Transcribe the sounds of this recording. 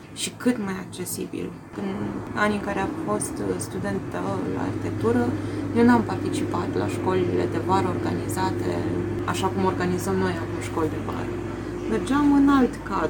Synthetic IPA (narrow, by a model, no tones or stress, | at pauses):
ʃikɨt̪majak̚t͡ʃe̞sḭbḭl | ɨna̰niŋkaɾeafo̞st̪st̪ud̪e̞nt̪əla̰a̰rçʲit̪ek̚t̪uɾəjewnuampart̪it͡ʃipat̪la̰ʃko̞lilḛd̪e̞vaɾəorɡa̰nizat̪ḛ | a̰ʃakumo̞rɡanizəmno̞javemʃko̞ld̪e̞va̰ɾə̰ | merd͡ʒamɨnalt̪ka